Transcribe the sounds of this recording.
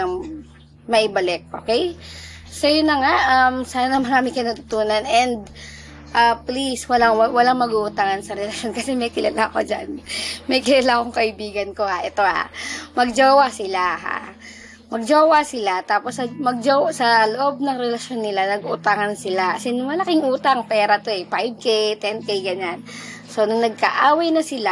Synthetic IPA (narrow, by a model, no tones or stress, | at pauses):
ɐ | mɐʔɪbɐlɛk̚ʔo̞ːkɛjsojʊnːɐŋaʔʔɐmsaːnɐmɐɾaːmɪkɐjnɐt̪ʊt̪uːnɐnɛnd̪̚ | ʔapliswɐlaŋwɐlaŋmɐɡuʔʊt̪aŋɐnsɐɾɛlɐʃjo̞nkɐsɛmɐjkɪlalaɐko̞d͡ʒanmɐjkɪlalakoŋkɐʔɪbiːɡɐnko̞haʔɛt̪o̞ha̰mɐɡ̚d͡ʒoːwɐsɪlaha̰ | mɐɡ̚d͡ʒoːwɐsɪlat̪aːposːɐmɐɡ̚d͡ʒoːwsɐloʔo̞b̚nɐŋɾɛlɐʃonːɪlanɐɡuʔt̪aŋɐnsɪlasɪnmɐlɐkɪŋʔuːt̪aŋpɛːɾɐt̪oʔɛpajb̚kɛt̪ɛnkɛjɡɐɲan | so̞nʊŋnɐɡ̚kɐʔaːwɐjnɐsɪla